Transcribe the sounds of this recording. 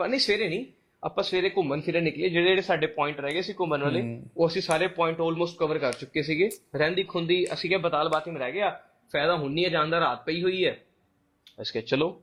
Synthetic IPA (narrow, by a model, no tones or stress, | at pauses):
ənəĩːsʋeːɾeːnĩː | a̰ːpãːsʋeːɾeːkʊmənkʰɪɾeːnɪklieːd͡ʒeːɽeeːɽeːsaːɖeːpɔːɪ̃ɳʈɾɛːɡeːəsĩːkʊmənʋəleːoːəsĩːsaːɾeːpɔːɪ̃ɳʈɔːlmoːsʈ̚kəʋəɾkəɾt͡ʃʊkːeːsiːɡeːɾɛ̃ːnd̪iːkʰʊnd̪iːə̰sĩːkɛːbət̪aːlbaːt̪iːmɾɛːɡeaː | pʰɛːd̪aːɦʊniːɛːd͡ʒãːnd̪aːɾaːt̪̚pəiːɦoːiːɛː | əskɛːt͡ʃəloː